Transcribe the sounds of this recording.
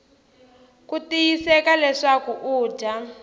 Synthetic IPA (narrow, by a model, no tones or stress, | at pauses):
kutijisɛkalɛʂakuʔu̥ːʒa